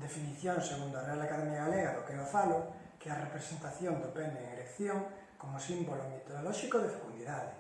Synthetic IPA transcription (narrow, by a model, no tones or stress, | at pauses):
d̪efiniθjonseɣ̞und̪oarealakaðemjaɣaleɣaðokeofalo | kearepɾesent̪aθjond̪openeːŋelekθjoŋ | komosimbolomet̪oðolɔʃikoðefe̥kund̪iðaðe